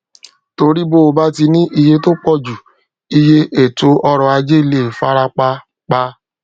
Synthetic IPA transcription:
to˧ɾi˦bo˦o˨ba˦ti˧nĩ˦ʔi˧je˧to˦k͡pɔ˦d͡ʒu˨ | i˧je˧ʔe˨to˧ɔ˧ɾɔ˨a˧d͡ʒe˦˨le˨fa˦ɾa˧k͡pa˧ | k͡pa˧˦

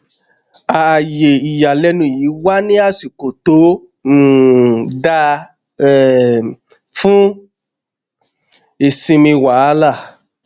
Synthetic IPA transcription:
a˨je˨i˨ja˨lɛ˧˦nũ˦˨jiː˨˦wa˦nĩ˦a˦˨si˨ko˨to˨˦˨ | da˧ | ɛ˦˨ | fũ˦ | e˨sĩ˧mĩ˧wa˨˦˧la˦˨

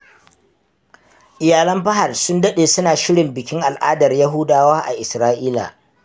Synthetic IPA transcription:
ʔɪ˨jaː˨lɐ˦mbɐ˦ɦa˨rsʊ˦ndɐ˦ɗeː˨sʊ˦naː˨ʃɪ˦ɽɪ˨mbɪ˨kʲɪ˦ŋʔa˨lʔaː˦dɐ˨rjɐ˦ɦʊ˦daː˦waː˦ʔa̰˨ʔɪ˨sɾaː˦ʔiː˦la̰ː˨

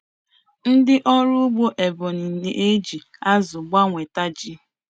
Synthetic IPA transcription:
n̩˦dɪ˦ʔɔ˦ɾʊ˦ɡ͡bo˦ʔe˨bʊ˨ni˨n̩˨ne˨ʔe˦d͡ʒi˨a˦zʊ˨ɡ͡ba˦ŋʷe˨ta˦d͡ʒi˦

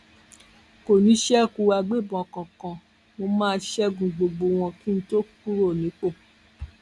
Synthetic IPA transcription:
ko˨nĩ˨˦ʃɛ˦ku˧a˧ɡ͡be˦˨bɔ̃˨kã˨kã˨ | mo˧mãː˦˧˦ʃɛ˦ɡũ˨ɡ͡bo˨ɡ͡bo˨w̃ɔ̃˧ki˦n̩˦to˦k̚u˦ɾo˦˨nĩ˨˦k͡po˦˨

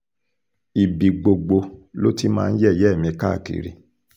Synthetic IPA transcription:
i˨bi˨ɡ͡bo˨ɡ͡bo˧lo̰˦ti˦mãː˧n̩˦jɛ˦˨jɛ˦˨mĩ˧ka˦˨kḭ˨ɾḭ˨

